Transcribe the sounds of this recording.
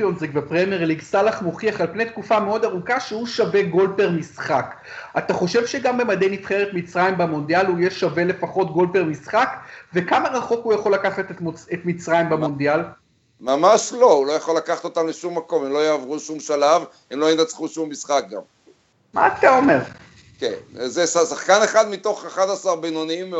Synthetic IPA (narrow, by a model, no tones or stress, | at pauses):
onzʁikvepʁemjeʁliɡsalaχmo̞χiaχalpne̞jt̪̚kufame̞o̞d̪aʁukaʃehuʃave̞ɡo̞lpeʁmisχak | at̪aχo̞ʃevʃeɡambemad̪ejnitχeʁet̪mit͡sʁajimbamo̞nd̪ijalhujeʃave̞le̞faχo̞t̪ɡo̞lpe̞ʁmisχakve̞kamaʁaχo̞khujaχo̞lakaχat̪met̪mit͡sʁajmbemo̞nd̪ial | mamaʃlo̞ulo̞jaχo̞lakaχḁt̪ot̪amleʃumːako̞memlo̞jaːvʁuʃumʃalav | emlo̞inat͡sχuʃumːisχak̚ɡa̰m | ma̰ːt̪ao̞me̞ʁ | kḛnzesasaχkaneχad̪mit̪o̞χaχad̪asaʁbinonim